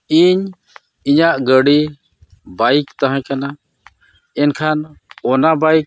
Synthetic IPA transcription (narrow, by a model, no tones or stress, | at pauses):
iɲ | iɲaʔɡəɽi | bajkt̪aɦãkana | ɛnkʰanɔnabajk̚